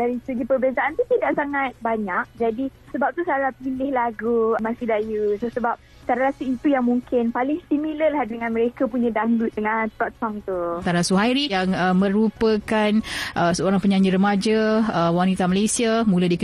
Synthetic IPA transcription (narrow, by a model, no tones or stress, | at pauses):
daɾisəɡipərbiasaʔant̪ut̪idaʔsaŋat̪̚baɲak̚d͡ʒadisəbap̚t̪usaɾapilɪhlaɡumasidajusosəbap̚ | saɾaɾasuit̪ujaŋmuŋkɪnpalɪŋsimiləlahdəŋãnməɾekapuɲãdaŋluʔ̪̚dəŋant̪ɔʔtɔŋt̪ut̪aɾasuɦajɾijaŋəmə̃ɾupəkanʔəsəoɾaŋpəɲãɲiɾəmad͡ʒaəwanit̪amalesiamũladikə